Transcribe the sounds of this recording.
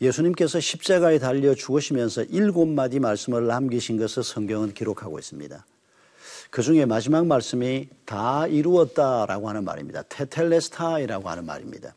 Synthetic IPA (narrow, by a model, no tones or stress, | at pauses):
je̞sʰuɲimke̞sʰʌɕʰip̚t͡ɕ͈aɡae̞taʎːʌt͡ɕuɡɯɕʰimjʌnsʰʌʔiɭɡonːad͡ʑimaɭs͈ɯmɯɾɭːamɡiɕʰinɡʌsʰɯɭsʰʌŋɡjʌŋɯnkiɾokʰaɡois͈ɯmɲḭda | kɯd͡ʑuŋe̞mad͡ʑimaŋmaɭs͈ɯmitaiɾuʌt̚t͈aɾa̰ɡohanɯnma̰ɾḭmɲida̰tʰe̞tʰe̞ɭːe̞sʰtʰaiɾaɡoha̰nɯnma̰ɾimɲḭd̥a